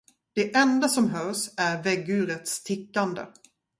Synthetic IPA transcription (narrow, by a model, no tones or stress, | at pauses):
d̪̥ɛʔɛnd̪asɔmɦœːʂæɾvɛɡːʉ̟ːɾət̪st̪ʰɪkːand̪ə̰